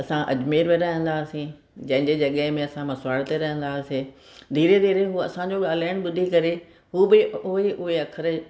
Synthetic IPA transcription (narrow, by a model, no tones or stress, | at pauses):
ɐsãʔɐ̰d͡ʑmeːɾmẽɾaːɪjə̃nd̪aːsĩ | d͡ʑɐ̃ɦɪ̃ɲd͡ʑed͡ʑɐɠəɦɪ̃mẽɐsãmɐsʋaːɽt̪eɾɐɦə̃nd̪aːsẽː | d̪ʱiːɾed̪ʱiːɾeɦuːɐ̰sãɲd͡ʑoɠaːl̤aːɪɽ̃̆ɓʊd̪ʱikɐɾe | ɦuːbɪʊɦeʔʊɦeɐkʰəɾ